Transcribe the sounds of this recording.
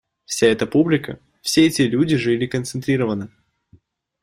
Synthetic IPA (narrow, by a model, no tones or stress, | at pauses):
fsʲaɛt̪əpublʲɪkə̰ | fsʲeɛtʲɪlʲudʲɪʐɨlʲɪkənt̪sɨnt̪ɾʲiɾəvənɨ